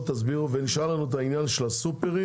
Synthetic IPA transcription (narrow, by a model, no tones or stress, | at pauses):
t̪azbiʁuveniʃalanuet̪ainjanʃelasupeʁ